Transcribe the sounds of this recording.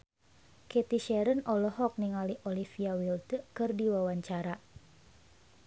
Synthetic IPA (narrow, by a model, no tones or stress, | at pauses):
kɛt̪iʃɛɾənɔlɔɦɔk̚niŋaliʔolifiawilt̪əkɨrdiwawaɲt͡ʃaɾa